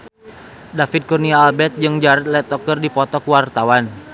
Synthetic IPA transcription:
dafid̪̚kurniaːlbɛt̪̚d͡ʒɨŋd͡ʒaɾat̪̚lɛt̪ɔkɨrdipɔt̪ɔkuwart̪awan

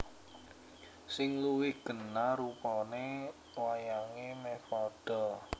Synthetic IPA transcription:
sɪŋluwɪɡ̥ə̤naɾupɔne | wajaŋemefɔɖ̥ɔ

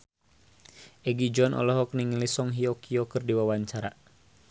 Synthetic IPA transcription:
ɛɡid͡ʒɔnʔɔ̰lɔɦɔk̚niŋlisɔŋɦiɔkʰiɔkɨrdiwawaɲt͡ʃaɾa

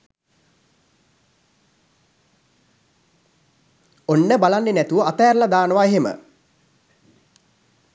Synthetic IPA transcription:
onːəbalanːenæt̪uʋəat̪ajːɾlad̪aːnəʋaeɦemə̰

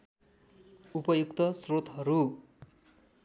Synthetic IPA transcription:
upʌjukt̪ʌsrot̪ɦʌɾu

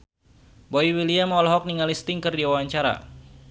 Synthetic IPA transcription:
boiwiliamɔlɔɦɔk̚niŋalist̪ɪŋkɨrdiwawaɲt͡ʃaɾa̰

